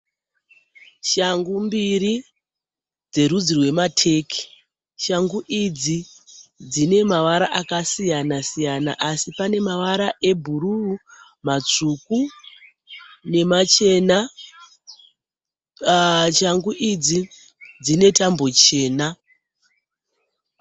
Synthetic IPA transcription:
ʃaŋɡumbiɾi | d͡ze̞rud͡zirwe̞matʰe̞ki̥ | ʃaŋɡuʔid͡zi | d͡zine̞maʋaɾaʔakasijanasijana̰ʔasipane̞maʋaɾaʔe̞bʱuruu | mat͡ʂuku | ne̞mat͡ʃe̞na | ʃaŋɡuʔid͡zi | d͡zine̞tambo̞t͡ʃe̞ːna

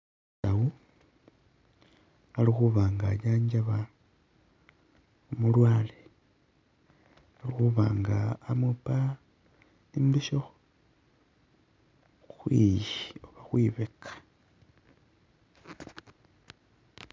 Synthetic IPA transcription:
sawu | alixuβaːŋɡaɟaːɲɟaβa | umulwaːle | alixuβaːŋɡaːmupa | imbiʃox | xwḭjioβaxwiβekʰḁ

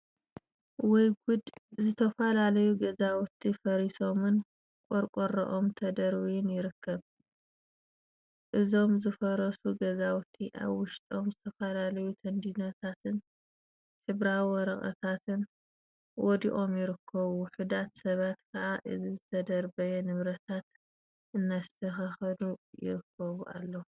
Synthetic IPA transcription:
wɔjɡud̪zɨt̪ʰɐfalalɐjuɡɐzawt̪ʰifɐɾiso̞mɨn | kʷʼoɾkʼoɾɐ̰ʔo̞mt̪ʰɐd̪ɐɾwijɪnjɪɾɨkʰːɐβ | ʔɨzo̞mzɨfɐɾɐsuɡɐzawt̪ʰiʔa̰βwʊʃt̪ʼo̞mzɨt̪ʰɐfɐlalɐjut̪ʰɐnd̪inɐt̪ʰat̪ɨn | ħɨβɾawwɔɾɐχʼɐ̰t̪ʰat̪ʰɨn | wɔd̪iʔo̞mjɪɾɨkʰːɐβuħud̪at̪sɐβat̪kʰɐʕaʔɨzizɨt̪ʰɐd̪ɐɾbɐjɛnɨβɾɐt̪ʰat̪ | ʔɨnːast̪ʰɐxɐxɐd̪ujɪ̰ɾɨkʰːɐβuʔa̰lːɐ

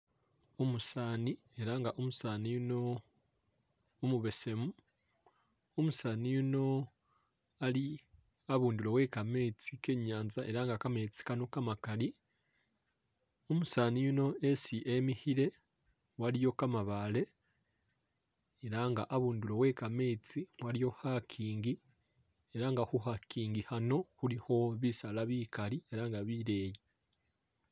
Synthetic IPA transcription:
omusaːni | e̞ɾaŋɡaʔomusaːnijuno̞ | muβe̞se̞mu | omusaːnijuno̞ | ali | aβuːndulo̞we̞ːkame̞ːt͡sike̞ːɲaːnzaʔe̞ɾaŋɡakame̞ːt͡si̥kanokamakali | omusaːnijuno̞esiʔemihiɾe̞ | waɾijo̞kamaβale̞ | eɾaŋɡaʔaβuːndulo̞we̞kame̞ːt͡siwaɾijo̞hakʰiːŋɡi | eɾaŋɡahuhakiːŋɡihano̞huɾiho̞βisalaβikaɾie̞ɾaŋɡaβiɾe̞ːji

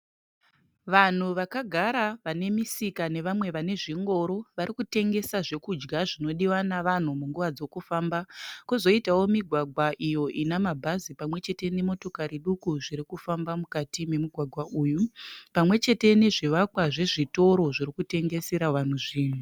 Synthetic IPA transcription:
ʋan̤uʋakaɡʱaɾaʋane̞misikane̞ʋamwe̞ʋane̞ʐiŋɡo̞ɾo̞ʋaɾikute̞ŋɡe̞saʐe̞kud͡ʒɡaʐino̞ɗiwanaʋan̤umuŋɡuʋad͡zo̞kufambakuzo̞itawo̞miɡʱwaɡʱwaʔijo̞ʔinamabʱazipamwe̞t͡ʃe̞te̞ne̞mo̞to̞kaɾiɗukuʐiɾikufambamukatime̞muɡʱwaɡʱwaʔuːjupamwe̞t͡ʃe̞te̞ne̞ʐiʋakwaʐe̞ʐito̞ɾo̞ʐiɾikute̞ŋɡe̞se̞ɾaʋan̤uʐiːn̤u

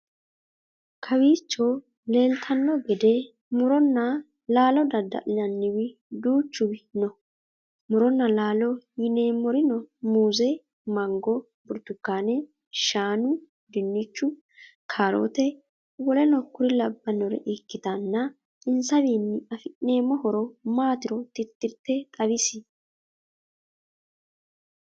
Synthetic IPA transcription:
kʰɐwiːt͡ʃːɔ | le̞ːlt̪ʰɐnːɔɡɛd̪ɛ | mʊɾɔnːɐ | laːlɔd̪ɐd̪ːɐ̰ʔɪlɐnːɪwɪ | d̪uːt͡ʃːʊbɪnɔ | mʊɾɔnːɐlaːlɔjɪneːmːɔɾɪnɔmuːzɛ | mɐŋɡɔ | bʊɾt̪ʊkːaːnɛ | ʃaːnʊ | d̪ɪnːɪt͡ʃːʊ | kʰaːɾo̰ːt̪ɛ | wɔlɛnɔkːʊɾɪlɐbːɐnɔɾɛ̰ʔɪkːɪt̪ɐnːɐ | ɪnsɐβiːnːɪɐfɪʔneːmɔhɔɾɔmaːt̪ɪɾɔt̪ɪt̪ːɪɾt̪ːɛt̪ʼɐβɪsɪ

